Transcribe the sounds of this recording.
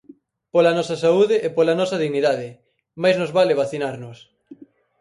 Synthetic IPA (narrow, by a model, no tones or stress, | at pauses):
polɐnɔsɐsauðɪʔepolanɔsɐðiɣniðaðɪ | majznozβaleβaθinaɾnʊs